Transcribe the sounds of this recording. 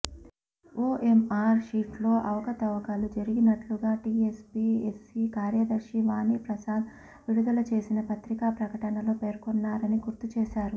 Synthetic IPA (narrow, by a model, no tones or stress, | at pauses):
oːʔemaːɾʃiːʈlo̞ːʔɐʋɐkɐt̪ɐʋɐkalud͡ʒɐɾiɡinɐʈluɡaːʈiːespiːesikaːɾjɐd̪ɐɾʂiʋaːniːpɾɐsaːd̪ | ʋiɽud̪ɐlɐt͡ʃe̞ːsinɐpɐt̪ɾikaːpɾɐkɐʈɐnɐloːpe̞ːɾkonːaːɾɐniɡuɾt̪ut͡ʃeːʃaːɾu